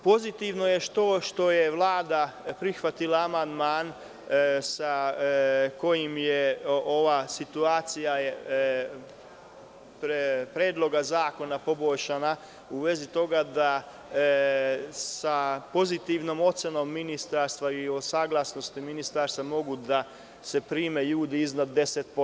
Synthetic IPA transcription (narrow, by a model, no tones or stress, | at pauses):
po̞zit̪iʋno̞je̞ʃt̪oʃt̪o̞je̞ʋlˠaːd̪apɾixʋat̪ilˠaːmand̪maːn | sa | ko̞jimjeo̞ʋasit̪uaːt̪sija | pɾpɾeːd̪lˠo̞ɡazaːko̞napo̞boʎʃana | uʋe̞zit̪o̞ɡad̪a | sapo̞zit̪iʋno̞ːmo̞t̪seno̞ːmːinist̪aɾst̪ʋaiosaːɡlˠasno̞st̪iminist̪aɾst̪ʋamo̞ɡud̪a | se̞pɾiːmeʎuːd̪iiznad̪ːe̞set̪̚po